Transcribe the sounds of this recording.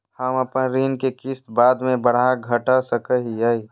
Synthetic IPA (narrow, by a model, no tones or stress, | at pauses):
həməpə̃ɾiːnkekɪst̪baːd̪mẽbəɽ̤aɡʱəʈasəkəɦiəi